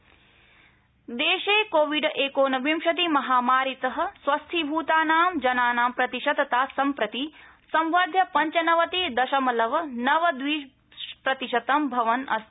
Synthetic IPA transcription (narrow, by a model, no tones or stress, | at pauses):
d̪eːʃeːkoːʋiɖʔeːkoːnɐʋimʃɐt̪̬imɐɦaːmaːɾit̪ɐɦɐ̆sʋɐst̪ʰibʱuːt̪aːnaːmd͡ʒɐnaːnaːmpɾɐt̪iʃɐd̪ɐt̪aːsɐmpɾɐt̪i | sɐ̃mʋaːd̪ʱjɐpɐɲt͡ʃɐnɐʋɐt̪id̪ɐʃɐmɐlɐʋɐnɐʋɐd̪ʋiː | pɾɐt̪iʃɐt̪ɐmbʱɐʋɐnɐ̰s